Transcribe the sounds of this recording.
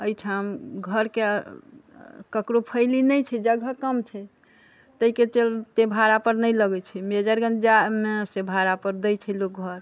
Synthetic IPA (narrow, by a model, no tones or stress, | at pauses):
əjʈʰamɡʱəɾke | kəkɾopʰəɪlinəjt͡ʃʰɛd͡ʒəɡʱəkəmt͡ʃʰɛ | t̪əiket͡ʃelt̪ebʱaɾapəɾnəjləɡɛt͡ʃʰɛmed͡ʒəɾɡənd͡ʒamesebʱaɾapəɾd̪əjt͡ʃʰɛlok̚ɡʱəɾ